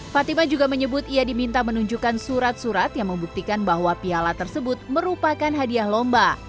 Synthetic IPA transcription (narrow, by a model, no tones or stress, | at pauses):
fat̪imad͡ʒuɡaməɲəbʊt̪iadimint̪amənuɲd͡ʒukansuɾat̪̚suɾat̪jaŋməmbuk̚t̪ikanbaɦwapialat̪ərsəbʊt̪̚məɾupakanɦadiahlɔmba